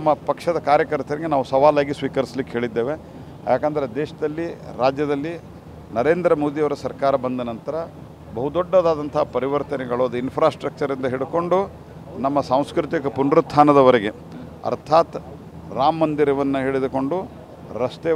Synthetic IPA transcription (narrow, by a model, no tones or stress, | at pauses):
mːɐpɐkʂɐd̪ɐkaːɾjɐkɐɾt̪ɐɾɐɡenaːʋusɐʋaːlaːɡisʋiːkɐɾislikːeɦeːɭid̪ːe̞ːʋe̞ | jaːkaːnd̪ɐɾed̪eːʂɐd̪ɐlːiɾaːd͡ʒjɐd̪ɐlːi | nɐɾe̞ːnd̪ɾɐmoːd̪ijɐʋɐɾɐsɐɾkaːɾɐbɐnd̪ɐnɐnt̪ɐɾɐ | bɐɦud̪ɔɖːɐd̪aːd̪ɐnt̪ʰɐɦɐpɐɾiʋɐɾt̪ɐnɛɡɐɭud̪ɐinpʰɾaːsʈɾɐk̚t͡ʃɐɾind̪ɐɦiɽuko̞ɳɖu | nɐmːɐsaːw̃skɾut̪ikɐpunɾut̪ʰːaːnɐd̪ɐʋɐɾeɡe̞ | ɐ̰ɾt̪ʰaːt̪ | ɾaːmːɐnd̪iɾɐʋɐnːɐɦeɭid̪uko̞ɳɖu | ɾɐst̪eː